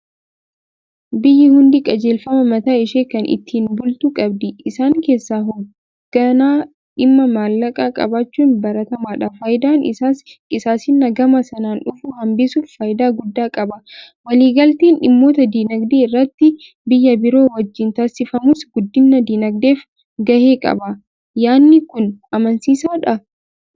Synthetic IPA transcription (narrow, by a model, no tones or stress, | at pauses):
bɪjːɪhʊnd̪ɪkʼɐd͡ʒe̞ːlfɐmɐmɐt̪aːɪʃeːkɐnʔɪ̰t̪ːiːnbʊlt̪ukʼɐbd̪ɪɪsaːŋke̞ːsːaːɦɔɡ | ɐnaː | ᶑɪmːɐmaːlːɐkʼaːkʼɐ̰baːt͡ʃːuːnbɐɾɐt̪ɐmaːᶑaːfɐjɪd̪aːnʔɪ̰saːskɪsaːsɪnːɐɡɐmɐsɐnaːnᶑʊfʊhɐmbɪsuffɐːjɪd̪aːɡʊd̪ːaːkʼɐbɐ | wɐliːɡɐlt̪eːnᶑɪmːo̞ːt̪ɐd̪iːnɐɡd̪eːɪrːɐt̪ːɪ | bɪjːɐbɪɾo̞ːwɐd͡ʒːɪnt̪ɐsːɪfɐmʊsɡʊd̪ːɪnːɐd̪iːnɐɡ̚d̪e̞ːf | ɡɐhe̞ːkʼɐ̰bɐ | jaːnːɪkʊnɐmɐnsiːsaːᶑɐ